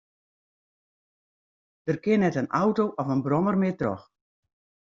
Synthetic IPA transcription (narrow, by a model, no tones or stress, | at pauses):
d̥ərkɪnɛtənawtowʔɔfənbrɔmərmɪətrɔ̰x